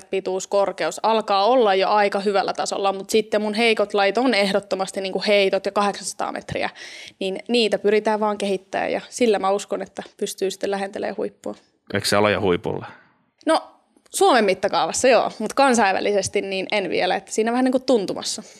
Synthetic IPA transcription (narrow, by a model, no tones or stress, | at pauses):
t̪pit̪uːskorkeusɑlkɑːolːɑjjoʔɑikɑhyʋælːæt̪ɑso̰lːɑmut̪sit̪ːemunɦeikot̪lɑjit̪onehɾot̪ːomɑst̪iniːŋkuheit̪ot̪jɑkɑheksɑnsɑ̥t̪ɑ̰ːmʔḛt̪rḭæ̰ninniːt̪æpyɾit̪æːʋʋɑːŋkeɦit̪ːæ̰ːjɑ̰silːæmæuskonet̪ːæpyst̪yːsi̥t̪ːelæɦent̪elḛːhuipːuɑ | ʔḛikseɑlojɑ̰huipṵlːe | no | suomemːit̪ːɑkɑuʋɑsːɑjo̰ːmut̪kɑnsɑiʋæ̰lːisest̪inniːnenʋḭelæet̪ːæ̥siːnæʋæniːŋkut̪tunt̪umɑ̰sːɑ